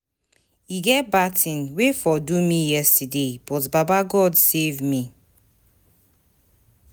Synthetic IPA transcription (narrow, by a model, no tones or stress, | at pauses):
iɡɛtbatĩnwefɔdumijɛstideb̥ɔtbabaɡɔdsevmi